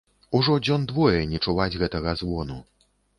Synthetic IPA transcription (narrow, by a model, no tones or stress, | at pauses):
uʐɔd͡zʲɔnd̪vɔjɛnʲɛt͡ʂuvad͡zʲɣɛt̪ɐɣɐzvɔnu